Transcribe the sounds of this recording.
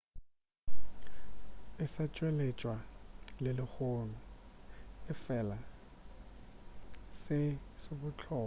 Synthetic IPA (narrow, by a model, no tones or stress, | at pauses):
ɪsat͡ʃʼwɛlɛt͡ʃʼwalelɪxonu | ɪfɛla | sɪsoɓʊt͡ɬʰɔː